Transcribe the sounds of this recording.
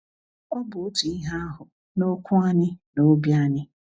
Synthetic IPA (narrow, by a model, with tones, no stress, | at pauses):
ɔ˦bʊ˨o˦tu˨i˦ɦa˦a˦ɦʊ˨ | no˦kʰʷʊ˦a˦ɲɪ˦no˦bi˦a˦ɲɪ˦